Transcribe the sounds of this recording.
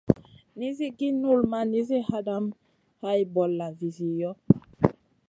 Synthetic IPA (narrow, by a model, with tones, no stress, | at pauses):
ni˦zi˦ɡi˦nu˦˨lma˦ni˦zi˦ha˦da˦m | ha˦ji˨˦bɔ˨lːa˨vi˨zi˨jɔ˦